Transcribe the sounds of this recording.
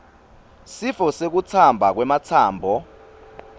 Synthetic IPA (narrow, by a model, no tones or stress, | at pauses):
sifɔsek̬ut͡sʰambʱak̬wɛmat͡sʰaːmbʱɔ